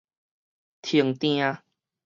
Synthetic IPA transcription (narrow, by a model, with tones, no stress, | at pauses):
t̪ʰi˨˩əŋt̪j̃ã˦